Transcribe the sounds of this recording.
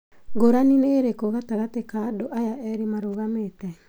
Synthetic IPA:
ɡoɾanineɾekoɣataɣatekadoʔajaʔɛɾimaɾoɣametɛ

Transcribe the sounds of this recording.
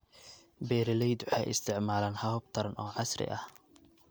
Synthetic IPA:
bɛːɾɪlɛjd̪ʊħɛ̰jʔɪ̰st̪ʰɪʕmaːlaːnhɐhʊb̚t̪ʰɐɾɐnʔɔːʕɑsrɪ̰ʔɐ̰h

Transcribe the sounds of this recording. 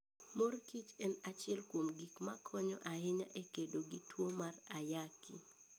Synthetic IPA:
morkit͡ʃɛnat͡ʃɪɛlkwomɡikmakʰɔɲɔʔaɪɲaʔekedoɡitwomarajaki

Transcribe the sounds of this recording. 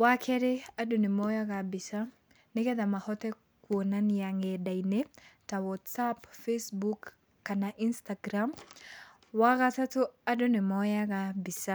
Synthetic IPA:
wakʰɛɾɛadʊnɪmɔjaɡabɪsa | nɛkɛd̪amahɔt̪ɛ | kuonanjaŋɛdajnet̪awɔtsapfesbukː | anaʔinst̪aɡɾam | waɡatatʊadʊnɪmɔjaɡabɪsa

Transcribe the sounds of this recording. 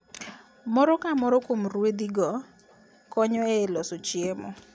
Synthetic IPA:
mɔɾɔkamɔɾɔkomɾwed̪iɡɔ | kɔɲɔelɔsot͡ʃjemɔ̰

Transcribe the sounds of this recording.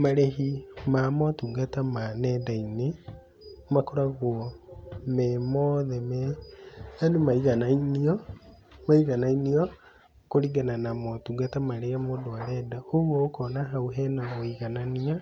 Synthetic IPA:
maɾeɦimamɔtuɡatamanɛdaine | makɔɾaɣwɔmɛmɔðɛmɛ | anumaiɣanainiɔ | maiɣanainiɔ | koɾiɡananamɔtuɡatamaɾeamodoaɾɛdaowɔokɔnaɦauɦɛnaɣoiɣanania

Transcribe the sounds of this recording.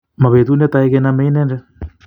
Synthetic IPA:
maβet̪unet̪aekenameinɛnde

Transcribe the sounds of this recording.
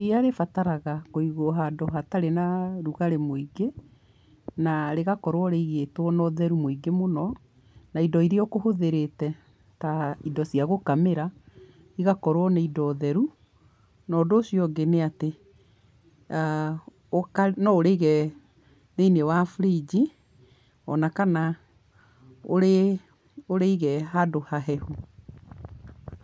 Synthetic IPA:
iaɾefataɾaɣakoiɣoɦadɔɦataɾenaɾuɣaɾemoiɡe | naɾeɣakɔɾwɔɾeiɣetwɔnɔðɛɾumoiɡemonɔ | naidɔiɾiɔkohoðeɾetɛ | taidɔsiaɣokameɾa | iɣakɔɾwɔneidɔːðɛɾu | nɔːdoːsijɔɡeneate | okanɔoɾeɣɛ | ðeinewafɾid͡ʑi | ɔnakana | oɾe | oɾeiɣɛɦadohaɦɛhu

